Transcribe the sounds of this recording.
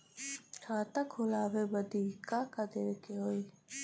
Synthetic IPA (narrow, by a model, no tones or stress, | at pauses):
ʈʰaːt̪akʰʊlaːʋebəd̪iːkakad̪eɾkeɦoːiː